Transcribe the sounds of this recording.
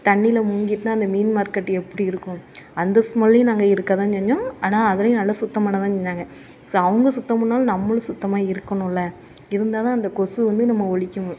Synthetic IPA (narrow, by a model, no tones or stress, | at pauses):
t̪ɐɳːɪlɐmʊŋɡiʈːɯnaːɐnd̪ɐmiːnmaːɾkɐʈːɛpːɐɽiɪɾɯkːʊ̃ɐnd̪ɐsmɔlːij̃naːŋɡɐɪɾɯkːɐt̪ãːt͡ʃɛɲd͡ʒʊ̃aːnaːɐðɯlɐjʊ̃nɐlːɐsʊt̪ːɐmaːnɐt̪ãːt͡ʃɛɲːaːŋɡɐ | soːɐʋɐŋɡɐsʊt̪ːɐmʊnːaːlnɐmːɐlɯsʊt̪ːɐmaːɪɾɯkːɐnʊ̃ɪlːɐ | ɪɾɯnd̪aːðãːɐnd̪ɐkɔsɯʋɐnd̪ɯnɐmːɐɔɭɪkʲːɯ̃